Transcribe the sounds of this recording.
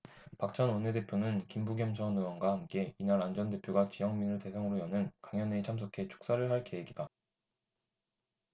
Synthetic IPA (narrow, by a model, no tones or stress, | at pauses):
pak̚t͡ɕ͈ʌnwʌnede̞pʰjonɯnkimbuɡjʌmt͡ɕʰʌnɯwʌnɡwahamk͈e̞inaɾand͡ʑʌnde̞pʰjoɡat͡ɕijʌŋminɯɭte̞sʰaŋɯɾojʌnɯnkaŋjʌne̞t͡ɕʰams̬ʰokʰe̞t͡ɕʰu̥k̚s͈aɾɯɭɦaɭke̞ɦeɡida